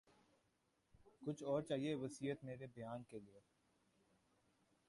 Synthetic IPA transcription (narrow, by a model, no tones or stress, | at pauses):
kʊt͡ʃʰɔːɾt͡ʃaːɦieʋɐsiːɦət̪meːɾebɐjaːnkelie